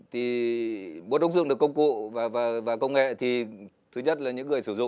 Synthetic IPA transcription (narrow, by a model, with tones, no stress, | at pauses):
t̪ʰi˨˩ | ɓo˨˦˥tɗə˨˦˥ŋ͡m̚zɨ˧˨ŋɨ˨˩kə˧wŋ͡mkṵ˧˨vaː˨˩vaː˨˩vaː˨˩kə˧wŋ͡mŋḛ˧˨t̪ʰi˨˩ | t̪ʰɨ˨˦ɲə˦˥t̚laː˨˩ɲɨ̰˧˥ŋːɨ˨˩əjsɨ˧˩zʊ̰˧˨